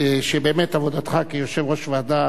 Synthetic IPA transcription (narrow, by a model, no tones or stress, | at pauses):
ʃebeːmet̪avod̪at̪χakijoʃevʁo̞ʃvead̪a